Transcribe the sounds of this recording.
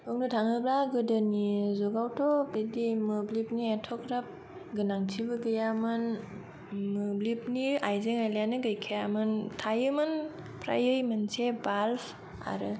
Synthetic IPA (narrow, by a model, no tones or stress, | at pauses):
ɯk̚nɯtʰaŋɯbɾaɡɯdɯnizɔɡawtʰɔbedimɯblip̚nietʰɔkɾap̚ | ɡɯnaŋtʰibɯɡɯjamɯn | mɯblip̚niajzeŋajlajanɯɡajkʰijamɯntʰajɯmɯn | pʰɾa̰jɯjmɯnsebalpʰ | a̰ɾɯ